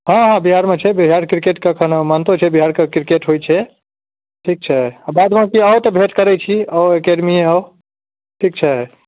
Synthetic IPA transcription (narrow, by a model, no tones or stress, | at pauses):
ɦãɦãbiɦaɾmet͡ʃʰɛbiɦaɾkɾikeʈkəkʰənəmant̪ot͡ʃʰɛbiɦaɾkekɾikeʈɦojt͡ʃʰɛ | ʈʰik̚t͡ʃʰɛabad̪makiəwt̪əbʱeʈkəɾɛt͡ʃʰiəwekeɖmieə | ʈʰik̚t͡ʃʰɛ